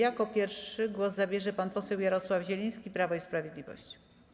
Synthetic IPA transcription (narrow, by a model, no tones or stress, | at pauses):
jakɔpʲjɛɾfʂɘɡwɔzzabʲjɛʐɛpanpɔsɛwjaɾɔswavʑɛlʲĩj̃skʲipɾavɔispɾavʲjed̪lʲivɔ̰ɕt͡ɕi̥